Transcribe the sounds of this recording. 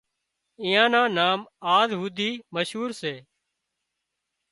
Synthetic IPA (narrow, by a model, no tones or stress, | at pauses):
ɪ̃ːjãːnãːnaːmaːzɦuːd̪iːməʃɦuːɾseː